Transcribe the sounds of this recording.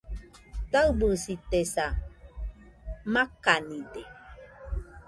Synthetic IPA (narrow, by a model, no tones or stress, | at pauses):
t̪aubɨsit̪esa | makanĩde